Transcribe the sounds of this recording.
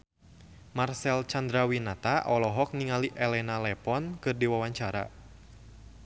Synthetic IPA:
marsɛlt͡ʃand̪ɾawinat̪aʔɔlɔɦɔk̚niŋaliʔɛlɛnalɛpɔnkɨrdiwawaɲt͡ʃaɾa̰

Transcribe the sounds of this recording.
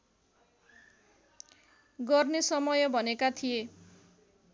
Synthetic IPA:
ɡʌrnesʌmʌjʌbʱʌnekat̪ʰije

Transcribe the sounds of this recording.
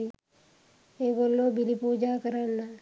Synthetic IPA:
i | eɡolːobilipuːd͡ʒakəɾanːa

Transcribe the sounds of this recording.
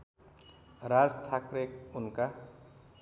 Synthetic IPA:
ɾad͡zt̪ʰakrek̚unka

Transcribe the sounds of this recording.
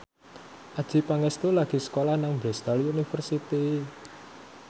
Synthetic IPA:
ʔad̥ʒ̥i̤paŋest̪olaɡ̥i̤sə̥kolahnaŋbɾest̪alunifərsit̪i

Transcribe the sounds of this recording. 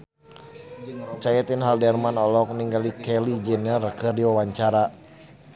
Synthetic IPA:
t͡ʃajɛt̪inɦaldɛrmanɔlɔk̚niŋɡalikɛlid͡ʒɛnɲarəkɨrdiwawaɲt͡ʃaɾa

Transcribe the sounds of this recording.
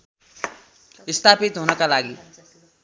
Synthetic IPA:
ist̪ʰapit̪ɦunʌkalaɡi

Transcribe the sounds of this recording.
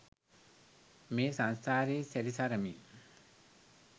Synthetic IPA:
meːsanst̪ʰaːɾiseɾisaɾɐmḭ

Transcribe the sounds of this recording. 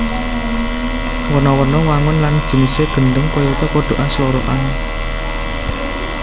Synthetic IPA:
wənɔwənɔwaŋʊnland̥ʒ̥ə̤niseɡ̥ə̤nɖʊŋkɔjɔt̪ɔkoɖ̪̥o̤ʔanslɔɾɔʔan

